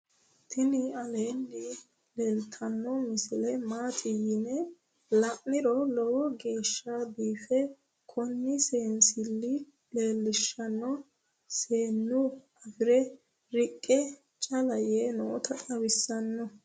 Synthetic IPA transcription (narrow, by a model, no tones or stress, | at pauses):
t̪ʰɪnɪɐleːnːɪ | le̞ːlt̪ʰɐnːɔmɪsɪlɛmaːt̪ʼɪjɪnɛ | lɐʔnɪɾɔlɔwɔɡe̞ːʃːab̪iːfɛ | kʰɔnːɪse̞ːnsɪlːɪ | le̞ːlːɪʃːɐnːɔ | seːnːʊ | ɐfɪɾɛ | ɾɪkʼːɛ | t͡ʃʼɐlɐjɛnɔ̰t̪ɐt̪ʼɐwɪsːɐnːɔ